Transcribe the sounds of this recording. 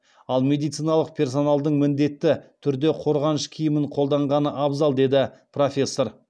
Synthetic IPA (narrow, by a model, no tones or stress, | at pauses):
ɑlˠmʲe̞d̪ijt̪sijnɑlˠəq̚pʰe̞rs̬o̞nɑlˠd̪əɴmɪnd̪e̞t̪ːɪt̪ʰʏɾd̪e̞qʰo̞ɾʁɑnəʃkʲʰijɪmɪɴqʰo̞lˠd̪ɑɴʁɑnəʔɑbzɑlˠd̪e̞d̪ɪpro̞fʲe̞sːo̞ɾ